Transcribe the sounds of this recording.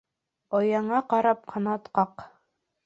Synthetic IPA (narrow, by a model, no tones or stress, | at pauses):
ojɑɴɑqɑɾɑp̚qʰɑnɑt̪qɑq